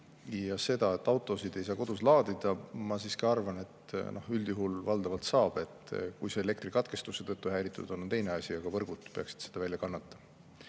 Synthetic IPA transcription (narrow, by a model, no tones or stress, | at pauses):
jɑse̞d̪̥ɑe̞t̪ːˑɑwt̪ˑo̞sid̪̥e̞js̬ɑːko̞d̪̥uslɑːd̪̥id̪̥ɑmɑsiːskɑɑrvɑne̞t̪no̞hyld̪̥juɦulvɑld̪̥ɑvɑlt̪sɑːb̥e̞t̪ːˑkujseele̞kt̪rikɑt̪ke̞st̪uset̪ɤt̪ːˑuɦæːɾit̪ːˑṵd̪̥o̞nnt̪e̞jne̞ɑsʲiɑɡ̥ɑvɤrɡud̪̥pe̞ɑksi̥d̪̥se̞d̪̥ɑvælʲjɑkɑnːɑt̪ːˑɑ